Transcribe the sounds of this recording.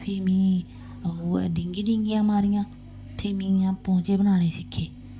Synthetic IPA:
pʰeːmĩː | ɖɪŋɡiːɖɪ̃ŋɡɪjãːmaːɾɪjãː | t̪ʰeːmĩːãːpɔ̃ːt͡ʃeːbənaːneːsɪkʰːeː

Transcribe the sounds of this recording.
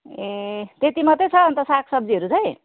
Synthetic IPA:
et̪et̪imʌt̪ːet͡sʰʌːnt̪ʌsakʰsʌb̚d͡ziɦʌɾut͡sʌj̃

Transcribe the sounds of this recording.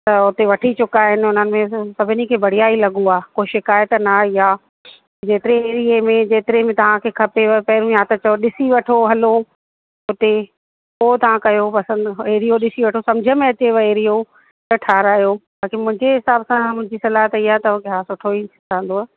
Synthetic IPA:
t̪ɐʊt̪eʋɐʈʰit͡ɕʊkaːɦɪnɪ̆ʊn̤ənɪ̆mẽsɐbʱɪnikʰeːbɐɽ̤ijaːilɐɠoaːkoːɪʃɪkaːjət̪nɐɪjaː | d͡ʑeːt̪ɪɾeːɾiemẽd͡ʑeːt̪ɪɾemẽt̪ɐʋ̤ãkʰeːkʰɐpeʋpɐɦɪɾũjaːt̪ɐt͡ɕɐjoɗɪsiʋɐʈʰoɦɐlo | ʊt̪e | poːt̪ɐʋ̤ãkɐjopɐsə̃neːɾijoɗɪsiʋɐʈʰosɐ̃md͡ʑʱəmẽɐt͡ɕeʋɐeːɾijo | t̪ɐʈʰaːɾaːjobaːkimʊ̃ɦɪ̃ɲd͡ʑeɦɪsaːbsãmʊ̃ɦɪ̃ɲd͡ʑisɐlaːɦət̪iːaːt̪ɐkɪɦasʊʈʰoi | ãːn̆d̪oa

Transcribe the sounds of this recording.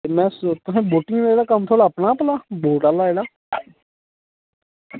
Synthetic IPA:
mɛ̃ːst̪ʊsẽːboːʈɪŋɡleːɽaːkəmt̪ʰoːɽaːəpnaːpəlaːboːʈaːlaːeːɽaː

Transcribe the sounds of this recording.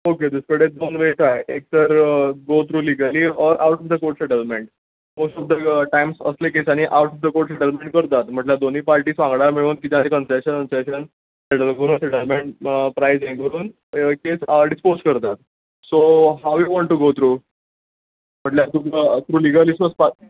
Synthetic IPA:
oked̪əskəɽed̪onʋeʈaeʔek̚t̪əɾɡot̪ʰɾuːliɡəliɔɾawʈɔfd̪əkoɾʈseʈəlpmeɳʈ̚ | mosʈɔbd̪əʈajmsə̰slekesañiʔawʈɔfd̪əkoɾʈseʈəlpmẽɳʈ̚kəɾt̪at̪m̤əʈljad̪oniːpaɾʈiːsʋãŋɡɽaɾmeɭuːnkit̪jãnekənseɕənənseɕən | seʈəlkəɾuːnseʈəlmeɳʈpɾajzẽŋɡəɾuːn | kesɖispozkəɾt̪at̪ | soɦawʋiʋɔ̃ɳʈːuɡot̪ʰɾuː | m̤əʈljat̪ut̪ʰɾuːliɡəlisməspa

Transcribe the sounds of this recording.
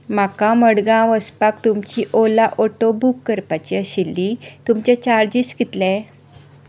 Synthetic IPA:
m̤akãməɽɡãʋəspakt̪umt͡ɕiʔolaʔoʈobukːəɾpat͡ɕiəɕilːit̪umt͡ɕjat͡ɕaɾd͡ʑiskit̪lɛ

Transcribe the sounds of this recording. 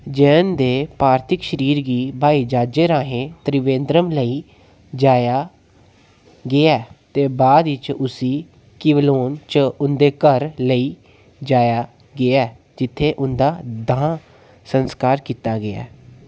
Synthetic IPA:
d͡ʒɛːnd̪eːpaːɾt̪ʰɪkʃəɾiːɾɡiːbʱaːiːd͡ʒaːd͡ʒeːɾãːɦẽːt̪ɾɪʋẽːnd̪ɾəmləiː | d͡ʒaːjaː | ɡɪaːt̪eːbaːd̪ɪt͡ʃʊsiː | kɪʋloːnt͡ʃʊnd̪eːkəɾləiː | d͡ʒaːjaː | ɡɪaː | d͡ʒɪt̪ʰːeːʔʊnd̪aːd̪ãː | sənskaːɾkiːt̪aːɡɪa̰ː

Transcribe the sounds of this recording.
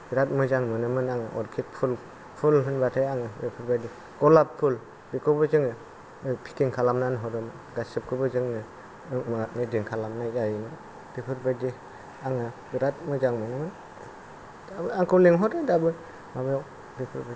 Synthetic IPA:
b̥iɾat̚mɯzaŋmɯnɯmɯnaŋɯʔɔ̰ɾkʰik̚pʰul | pʰulɦɯnbatʰajaŋɯbepʰɯɾbadi | ɡ̥ɔlapʰːul | bikʰɯbɯzɯŋɯ | ɯpʰi̥kiŋkʰalamnanɯɦɔdɯmɯnɡasɯp̚kʰɯbɯzɯŋnɯ | mɯdiŋkʰalamnajzajimɯn | b̥ipʰɯɾbadi | aŋɯbiɾat̚mɯzaŋmɯnɯmɯn | dabɯaŋkʰɯwliŋɦɔtɯdabɯ | mabɯja | bipʰɯɾba

